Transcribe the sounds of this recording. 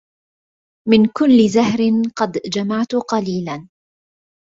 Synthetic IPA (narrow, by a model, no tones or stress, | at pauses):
mɪnkʊlːɪzahɾɪnqɑd̪d͡ʒamaʕt̪ʊqɑliːlan